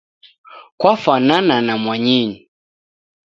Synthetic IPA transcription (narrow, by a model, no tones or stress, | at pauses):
kwafanananamwaɲiɲi